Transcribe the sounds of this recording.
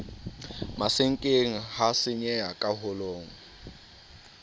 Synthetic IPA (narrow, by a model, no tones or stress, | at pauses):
masɪŋ̩kʼeŋ̩hasɪɲɛakʼaɦʊloːŋ̩